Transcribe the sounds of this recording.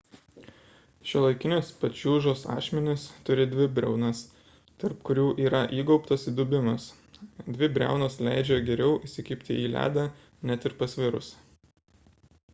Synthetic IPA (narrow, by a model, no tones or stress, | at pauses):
ʃʲulˠɐɪkʲɪnʲospɐt͡ʃʲuːʒoːsɑ̰ːʃʲmʲɛnʲɪst̪ʊɾʲɪd̪ʲʋʲɪbʲɾʲɛ̰ʊnɐs | t̪ɐɾpkʊɾʲuːʔiːɾɐʔiːɡɔʊpt̪ɐsiːd̪ʊbʲɪmɐs | d̪ʲʋʲɪbʲɾʲæ̰ˑʊnoːslʲæˑɪd͡ʒʲɛɡʲɛɾʲɛʊʔɪsʲɪkʲɪpʲt̪ʲɪ̰iːlʲæ̰ːd̪ɐ | nʲɛt̪ɪɾpɐsʲʋʲɪɾʊ̰s